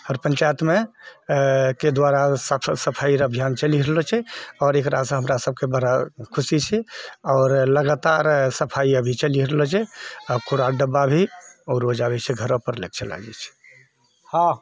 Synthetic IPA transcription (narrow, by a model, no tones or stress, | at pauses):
həɾpə̃ɲt͡ʃajət̪me | ked̪waɾassəpʰaiɾəbʱjant͡ʃəliɾelɔt͡ʃʰɛɔːɾekɾasə̃ɦəmɾasəb̚ʱkebəɾakʰusit͡ʃʰɛɔːɾləɡat̪aɾsəpʰaiəbʱit͡ʃəliɾelɔt͡ʃʰɛəkoɾaɖəbːabʱiɔːɾod͡ʒabɛt͡ʃʰɛɡʱəɾõpəɾlḛk̚t͡ʃʰəla̰d͡ʒɛ̰t͡ʃʰɛ̥ | hã